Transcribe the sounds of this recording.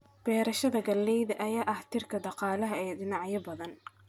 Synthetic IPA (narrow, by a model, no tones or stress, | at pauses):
b̥ɛːɾɐʃɐðɐɡɐlːɛjðɐʔɐjaːʔɐht̪ʰɪrkʰɐd̪ɑqɑːlɐɦɐɛːɖɪnɑʕjɐbɐðɐn